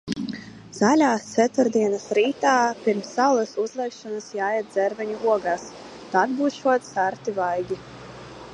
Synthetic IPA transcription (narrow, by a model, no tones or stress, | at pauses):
z̥alʲaːst̪sɛt̪uɾd̪iɛnasɾiːt̪aːpiɾmsːalˠɛsuzlˠɛkʃɔnasjaːjɛt̪̚d̪zɛɾvʲɛɲuuɔɡaːs | t̪ad̪buːsʃuɔt̪saɾt̪ivajɡʲi